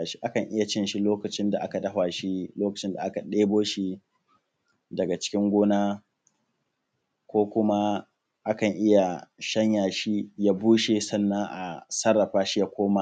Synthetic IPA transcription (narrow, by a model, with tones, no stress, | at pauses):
ʃi˦ʔa˦kɐ˨ŋʔɪ˦ja˨t͡ʃɪ˦nʃi˦loː˦kɐ˨t͡ʃɪ˦nda˨ʔa˦ka˨dɐ˦ɦwaː˨ʃi˦loː˦kɐ˨t͡ʃɪ˦nda˨ʔa˦ka˨ɗeː˦boː˦ʃi˦ | dɐ˨ɡa˨t͡ʃɪ̥˦kʲɪ˦ŋɡʷoː˦naː˦ | kʷoː˦kʷʊ˦ma˦ | ʔa˦kɐ˨ŋʔɪ˦ja˨ʃɐ˦ɲjaː˨ʃi˦jaː˦buː˦ʃe˨sɐ˦nːɐ˦ŋʔa̰˨sɐ˦rːɐ˨ɸaː˦ʃi˦ja˦kʷoː˦ma˦